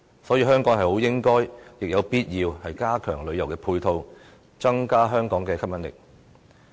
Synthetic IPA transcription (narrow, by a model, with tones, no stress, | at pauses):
sɔː˨˥jiː˧ɦœː˥ŋkɔː˨˥ŋɦɐ˨jho˨˥wjɪ˥ŋkɔː˥jjɪ˨k̚jɐ˨˧wpiː˥t̚jiː˧whɐ˨jkaː˥kʰœː˨˩ŋlɵ˨˧ɥjɐ˨˩wkɛː˧pʰuː˧jt̪ʰo˧w | t͡sɐ˥ŋkaː˥ɦœː˥ŋkɔː˨˥ŋkɛː˧kʰɐ˥p̚mjɐ˨˥nlɪ̰˨˩k̚